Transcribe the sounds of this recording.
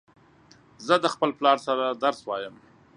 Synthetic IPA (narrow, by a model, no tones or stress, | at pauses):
zəd̪əxpəlplɑɾsaɾad̪aɾswɑjəm